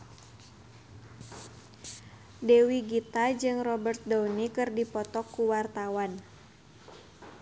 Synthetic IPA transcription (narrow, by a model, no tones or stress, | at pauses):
dewiɡit̪ad͡ʒɨŋrɔbərt̪̚dɔwnikɨrdipɔt̪ɔkːuwart̪awan